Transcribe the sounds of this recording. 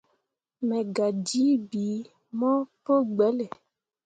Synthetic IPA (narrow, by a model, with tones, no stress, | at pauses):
mɛ˨ɡa˨d͡ʒi˦bi˨˦ | mɔ̃˦po˦ɡ͡bɛ˨˦lɛ˨